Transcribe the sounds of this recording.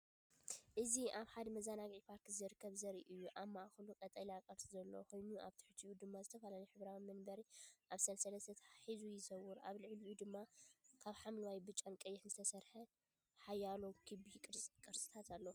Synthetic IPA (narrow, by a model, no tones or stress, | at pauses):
ʔɨziʔaβħad̪mɐzanaɡʕipʰaɾt̪ʰizɨɾɨkʰːɐβzɐɾiʔɨjːuʔamːaʔxɨlukʼɐt̪ʼɐliakʼɐɾsʼizɐlːo̰xojnuʔaβt̪ʰɨ̥ħɨt̪ʰiʔud̪ɨmːazɨt̪ʰɐfalaniħɨβɾawimɨnbɐɾiʔaβsɐlsɐlɐst̪ʰɐt̪ʰɐ̥ħizujɪzɐwʊɾa̰βlɨʕliʔud̪ɨmːakʰaβħamlɨwajbɨt͡ʃʼamkʼɐjːɛħzɨt̪ʰɐsɐɾħɐ | ħajːalokʰɨbikʼɨɾʼkʼɨɾsʼɨ̥t̪ʰat̪ʰalːɐ